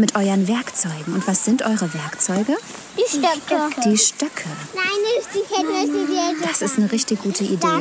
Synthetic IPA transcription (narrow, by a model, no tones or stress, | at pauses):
mɪtʔɔʏɐnvɛɐkt͡sɔʏɡŋ̩ʊntv̥asz̥ɪntʔɔʏʁəvɛɐkt͡sɔʏɡə | d̥itœkd̥iːʃtœkʰənaɪnd̥iɛtn̩ɔçided̥asɪstnəʁɪçtɪçɡ̥uːtʰəʔideː